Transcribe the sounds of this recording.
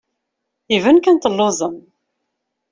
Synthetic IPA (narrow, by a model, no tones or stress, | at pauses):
ivənkænt̪əlːʊzˤəm